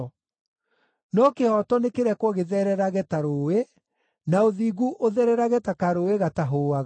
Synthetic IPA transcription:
nɔkehɔtɔnekeɾɛkwɔɣeðɛɾɛɾaɣɛtaɾoːwe | naoðiːɣuʔoðɛɾɛɾaɣɛtakaɾoeɣataɦoːaɣ

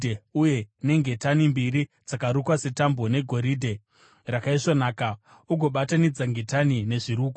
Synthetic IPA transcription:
deuje̞ne̞ŋɡe̞tanimbiɾi | d͡zakaɾukwase̞tambo̞ne̞ɡʱo̞ɾidʱe̞ | rakaiʂonaːka | uɡʱo̞ɓatanid͡zaŋɡe̞tanine̞ʐiɾuːku

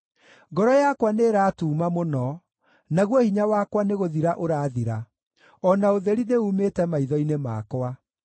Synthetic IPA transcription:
ɡɔɾɔjakwaneːɾaːtuːmamonɔ | naɣwɔhiɲawakwaneɣoðiɾaʔoɾaːðiɾa | ɔnaoðeɾineuːmetɛmaiðɔinema̰kwa

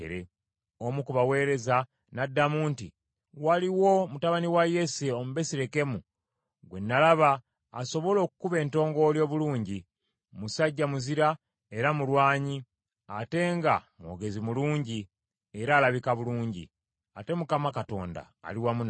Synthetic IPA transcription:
ḛɾe | omukuβawe̞ːɾe̞za | nadːamuːnti | waliwo̞mutaβaniwaje̞seomuβe̞siɾe̞ke̞mu | ɡwe̞nːalaβaː | so̞βo̞lo̞ːku̥kuβe̞ːnto̞ːŋɡo̞ljo̞ːβuluːɲɟi | musaɟːamuziɾa | e̞ɾamulwaːɲi | ate̞ŋɡa̰mwo̞̰ɡe̞zimuluːɲɟi | eɾaːlaβikaβuluːɲɟḭ | ate̞mukamakato̞̰ːnda̰ːliwamun

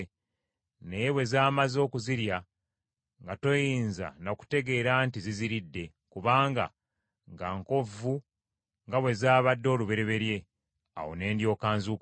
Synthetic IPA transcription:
nejewe̞zaːmazo̞ːkuziɾja | ŋɡato̞jiːnza̰noku̥te̞ɡe̞ːɾaːntiziziɾidːe̞ | kuβaːŋɡa̰ | ŋɡaŋko̞vu | ŋɡawe̞zaːβadːo̞ːluβe̞ɾe̞βe̞ɾje̞ | a̰wone̞ːndjo̞ːkaːnzuk

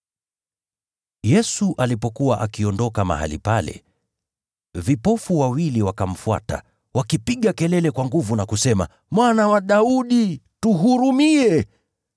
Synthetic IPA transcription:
jɛsuʔalipɔkuwaʔakiɔndɔkama̰ha̰lḭpalɛ̰ | vipɔfuwawiliwakam̩fua̰ta̰ | wakipiɠakɛlɛlɛkwaŋɡuvunakusɛma̰ | mwanawaɗauɗituɦuɾumiɛ

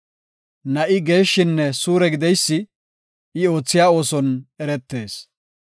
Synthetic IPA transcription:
nɐʔɪɡe̞ːʃːɪnːɛsuːɾɛɡɪd̪ɛjsːɪ | ɪo̞ːt͡sːɪjaːo̞ːsɔnɛɾɛt̪ːe̞ːs

